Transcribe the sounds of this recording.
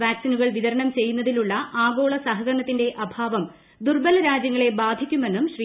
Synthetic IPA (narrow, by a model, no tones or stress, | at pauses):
ʋaːksinuɣɐɭʋiðɐɾɐɳɐmt͡ɕe̞jːunːɐðiluɭːɐʔaːɡo̞ːɭɐsɐɦɐɣɐɾɐɳɐt̪ːinde̞ʔɐbʱaːʋɐm | d̪urbɐlɐɾaːd͡ʑjɐŋːɐɭe̞baːd̪ʱikʲːume̞nːumɕri